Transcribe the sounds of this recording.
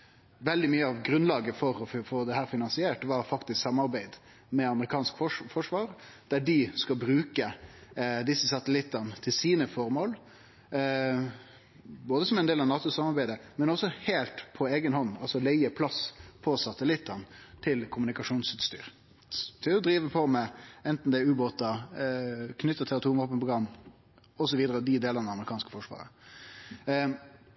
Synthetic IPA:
ʋɛld̪ɪmyːəɑʋɡɾʉnlɑːɡəfɔɾɔfoːd̪ɛhæːɾfɪnɑnsɪeːʈʋɑɾfɑkt̪ɪsksɑmːɑɾbæɪd̪ | mɛɑməɾɪkʰɑːnskfɔfɔʂʋɑːɾd̪̥æɖɪskɑlbɾʉːkə | d̪ɪsːəsɑt̪əlɪt̪ːɑnət̪ʰɪlsiːnəfɔɾmoːl | boːd̪əsɔmɛɪnd̪eːlɑʋnɑːt̪ʊsɑmɑɾbæɪd̪əmɛnɔsɔheːlt̪pʰɔeːɡənhɔnːɑlsɔleɪəpʰlɑspʰɔsɑt̪əlɪt̪ːənt̪ʰɪlkʰʊmʉnɪkɑʂuːnsʉt̪st̪y̰ːɾ | t̪ʰɪɔd̪ɾiːʋəpʰɔmɛɛnt̪n̩d̪ɛʉːboːt̪ɑ | kʰnʏt̪ːət̪ʰɛɑt̪ʰuːʋɑːpənpʰʁʊɡɾɑmː | ɔsɔʋiːd̪əɾəd̪ɪd̪eːlənɑd̪ɛɑməʁɪkʰɑːnskə̥fɔʂʋɑ̰ːʁɾə̰

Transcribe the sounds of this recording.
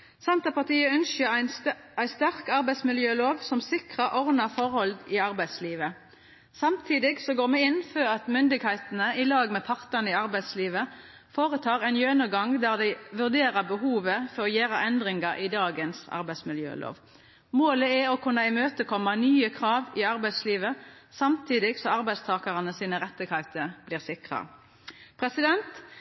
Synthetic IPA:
sɑnt̪ɑpɑʁt̪ʰiːəʉnʃəæɪst̪æʁkɑɾbæɪsmɪljøːloːʋsɔmsɪkʁɑʔɔʁnɑfɔɾhɔld̪ɪɑʁbæɪsliːʋə | sɑmt̪ʰiːd̪ɪɡsɔɡoːʁmɛɪnføʁɑt̪mʏnd̪ɪɡhæɪt̪ənəɪlɑːɡmɛpʰɑʁt̪ənəɪɑʁbæɪd̪sliːʋə | foːʁət̪ʰɑːʁɛɪnjønəɡɑŋd̪æːʁd̪æɪʋʉʁd̪eːʁɑbəhuːʋəfɔʁɔjeːɾɑʔɛnd̪ʁɪŋɑɾʔɪd̪ɑːɡənsɑ̰ʁbæɪsmɪljø̰ːlʔo̰ːʋ | moːləɛɔkʰʉnːɑɪmøːt̪əkʰɔmːɑnyːəkʰʁɑːʋɪɑʁbæɪsliːʋə | sɑmt̪ʰiːd̪ɪɡsɔɑʁbæɪst̪ʰɑːkɑʁənəsiːnəʁɛt̪ːəkʰɑt̪əb̥liːʁsɪkʁɑ̰ | pʰʁɛsɪd̪ɛnt̪

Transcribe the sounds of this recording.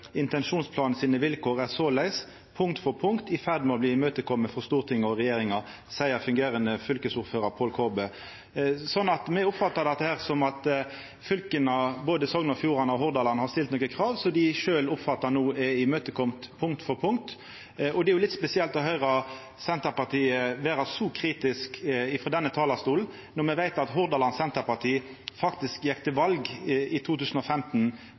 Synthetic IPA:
ɪnt̪ɛnʂuːnspʰlɑːnəsiːnəʋɪlkʰoːʁæsoːlæɪs | pʰʊŋkt̪fɔɾpʰʊŋkt̪ɪfæʁd̪mɔbliːɪmøːt̪əkʰɔmːəfɔʁst̪uːʁt̪ʰɪŋːəɔʁɛjeːɾɪŋɑ | sæɪəɾfʉŋɡeːɾənəfʏlkəsʊɾføːɾɑɾpʰoːlkʰoːbeː | sɔnːɑt̪mɛɔpfɑt̪ːɑʁd̪ɛt̪ːəhæːʁsɔmɑt̪ | fʏlkənɑboːd̪əsɔŋnəɔfjuːɾɑnəɔhɔʁd̪ɑːlɑnəhɑɾst̪ɪlt̪nɔːkːəkʰʁɑːʋsɔd̪ɪʃøːlʊpfɑt̪ːɑɾnuːɛɪmøːt̪əkʰɔmt̪pʰʊŋkt̪fɔɾpʰʊŋt̪ | ɔd̪ɛæɾjʊlɪt̪spɛsɪɛlt̪ɔɦœʏʁɑ | sɛnt̪əɾpɑʁt̪ʰiːəʋæːɾɑsɔkʰɾiːt̪ɪskɪfɾɔd̪ɛnːət̪ʰɑːlɑst̪uːln | nɔɾmɛʋæɪt̪ɑt̪ɦʊɾd̪ɑlɑnsɛnt̪əɾpɑʁt̪ʰiː | fɑkt̪ɪskjɛkt̪əʋɑlɡɪt̪ʰuːt̪ʰʉːsən̩ɔfɛmt̪n

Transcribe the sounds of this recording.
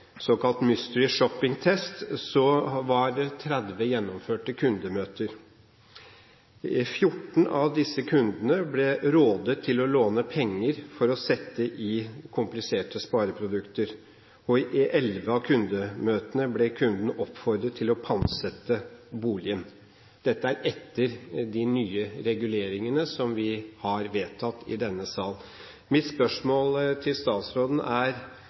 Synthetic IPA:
sɔːkɑlt̪mʏst̪ɹɪʂɔpːɪŋt̪ʰɛst̪sɔʋɑɾt̪ʰɾæd̪ʋəjɛnːɔmføːʈəkʰʉnd̪əmøːt̪əɾ | fjʊʈn̩ɑʋd̪ɪsːəkʰʉnd̪ənəblɛɾoːd̪ət̪ʰːɪlɔloːnəpʰɛŋːəɾfɔɾɔsɛt̪ːəʔɪkʰʊmplɪseːʈəspɑːɾəpʰɾʊd̪ʉkt̪əɾ | ɔɪʔʔɛlʋəɑʋkʰʉnd̪əmøːt̪ənəblɛkʰʉnd̪n̩ɔpfɔɾd̪ɾət̪ʰːɪlɔpʰɑnsɛt̪ːəbuːlɪən | d̪̥ɛt̪ːəæɾɛt̪ːəɾd̪ɪnyːəɾɛɡʉleːɾɪŋənəsɔmʋɪhɑɾʋeːt̪ʰɑt̪ːɪ̰d̪ɛnːəsɑːln | mɪt̪spœʂmoːlt̪ʰɪlst̪ɑːt̪sɾoːd̪n̩æɾ

